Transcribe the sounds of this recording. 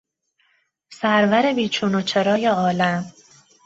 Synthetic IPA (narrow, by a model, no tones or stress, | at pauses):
sæɾvæɾe̞biːt͡ʃʰuːnot͡ʃʰe̞ɾɒːjeɒːlæm